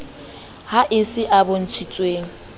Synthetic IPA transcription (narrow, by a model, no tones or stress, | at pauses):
haʔɪsɪʔabon̩t͡ʃʰit͡sʼweːŋ̩